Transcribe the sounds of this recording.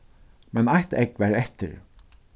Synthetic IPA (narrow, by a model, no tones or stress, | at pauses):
mɛnajht̪ɛkʋɛɾɛht̪ɪ̰ɾ